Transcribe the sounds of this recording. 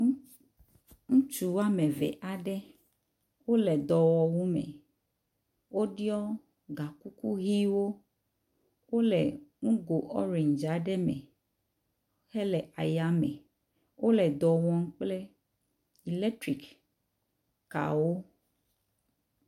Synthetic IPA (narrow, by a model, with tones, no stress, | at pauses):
ŋũ˦t͡ʃu˨wa˦mɛ˨vɛ̰˨ʔa˨ɖɛ˦ | wo˦lɛ˨d̪ɔ˨wɔ˨wu˦mɛ̰̃˨ | wo˦ɖi˦ɔ˦ | ɡa˨ku˦ku˦ɣi˦wo˦ | wo˦lɛ̰˨ŋũ˦ɡo˨ʔɔ̰˦ɾe˨ɲd͡ʒa˨˦ɖɛ˦mɛ̰̃˨ | o˦he˦lɛ˨ʔa˨ja˨mɛ̰˨ | wʔo˦lɛ˨d̪ɔ˨wɔ˨ŋ̩˦k͡ple˦ | i˨lɛ˦tɾi˨k | ka̰˨wo˦